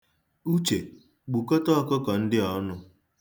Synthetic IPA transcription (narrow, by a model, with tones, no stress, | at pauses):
u˦t͡ʃe˨ | ɡ͡bu˨kɔ˦tɔ˦ɔ˦˨kɔ˦kɔ˨n̩˦dɪ˦ɔ˦nʊ˦